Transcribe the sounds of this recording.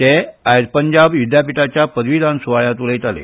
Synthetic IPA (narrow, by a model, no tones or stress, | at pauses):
t̪eajɾpəɲd͡ʑabjud̪ʱjapiʈat͡ɕjapəd̪ʋid̪ʱansuʋaɭjat̪uləjt̪alḛ